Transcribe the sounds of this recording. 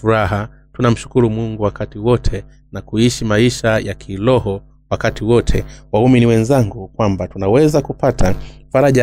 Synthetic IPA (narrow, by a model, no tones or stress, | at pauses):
uɾaɦa | tunam̩ʃu̥kuɾumuŋɡuwakatiwɔtʰɛ | nakuiʃimaiʃajakʰilɔhɔ | wakatiwɔtʰɛ̰wauminiwɛnzaŋɡukwambatunawɛzakupatʰafaɾaʄa